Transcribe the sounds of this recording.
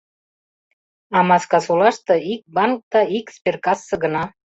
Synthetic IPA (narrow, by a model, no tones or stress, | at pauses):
ɑmɑskɑsulɑʃt̪ɤ̆ik̚bɑnk̚d̪ɑikspʲerkɑsːɤ̆ɡə̆nɑ